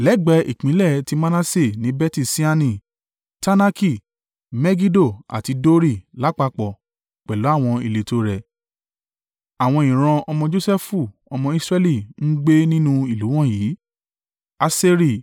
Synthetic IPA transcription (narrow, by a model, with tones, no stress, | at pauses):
lɛ˨˦˨ɡ͡bɛ˨˧˦ḭ˨k͡pĩ˨˦lɛ˦˨ti˧˦mã˦nã˦se˦˨nĩ˨˦bɛ˦ti˧˨si˦a˧nĩ˦˨ | ta˦na˦ki˦˨ | mɛ˦ɡi˦do˦˨a̰˨ti˧do˦ɾi˦˨la˨˦k͡pa˧k͡pɔ˨ | k͡pɛ˨lo˨˦a˦˨w̃ɔ̃˧i˧le˨to˨˦ɾɛ˨ | a˨w̃ɔ̃˧ĩ˨ɾ̃ã˧ɔ˧mɔ̃˧d͡ʒo˦sɛ˦fu˦˨ɔ˧mɔ̃˧i˦sɾɛ˦li˦˨n̩˦ɡ͡be˦nĩ˦nũ˦i˦˨lu˨˦w̃ɔ̃˦˨jiː˨˦ | a˧se˧ɾi˦˨